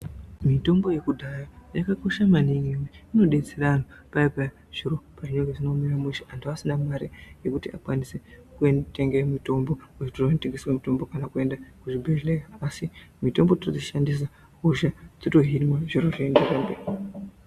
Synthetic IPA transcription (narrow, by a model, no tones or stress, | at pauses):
mito̞mbo̞je̞kudʱajojakako̞ʃamaniŋiweino̞ɗe̞t͡seɾanopaipa | ʐ̥iɾo̞paʐinoŋɡeʐinomiramuʃiʔantiʋasinamaɾije̞kutiakwanisekuenteŋɡemito̞mbo̞uitoroteŋɡeswamito̞mbo̞kanakue̞ndakuʐibʱeʒleaaːsimito̞mbo̞ttod͡ziʃandis̬a | uʒad͡zoto̞ɦinmwaʐiɾoʐiːndeɾambei